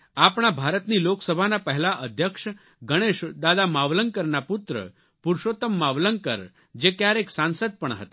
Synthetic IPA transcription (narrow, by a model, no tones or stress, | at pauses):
apɽ̃abʱaɾət̪niloksəbʱanapəɦɛlaʔəd̪ʱjəkʃ | ɡəɽ̃eʃd̪ad̪amaʋləŋkəɾnaput̪ɾə̰ | puɾʃot̪əmːaʋləŋɡ̚kə̰ɾ | d͡ʒekjaɾeksãnsət̪̚pəɳɦə̰t̪ḁ